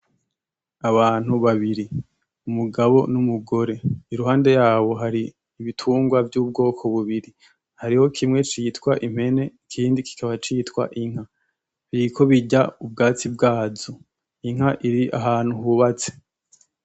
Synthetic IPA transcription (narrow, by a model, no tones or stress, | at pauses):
aβaːn̥uβaβiɾi | umuɡaβo̞numuɡo̞ɾe̞iɾuɦaːnde̞jaːβo̞ɦaɾiː | βitʰuːŋɡwavjuːb̚ɡo̞ːkʰo̞βuβiɾi | haɾiho̞kʰimŋe̞t͡ʃiːtkwaʔim̥he̞ne̞ | kʰiːndiki̥kʰaβat͡ʃitkwa̰ʔiŋ̥ha | iɾikʰo̞βiɟaub̚ɡaːt͡sibɡaːzo | iŋɦaʔiɾiʔa̰ɦaːn̥huhuβat͡se